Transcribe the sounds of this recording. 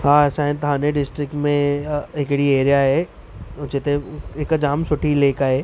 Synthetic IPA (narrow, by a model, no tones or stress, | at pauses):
ɦãːsãːɪ̃t̪ɐɦãnẽɖɪsʈɾɪkʈmẽɦɪkɽieːɾijaɦɛ | ʊt͡ʃɪt̪eɪkd͡ʒaːmsʊʈʰileːkaɦeː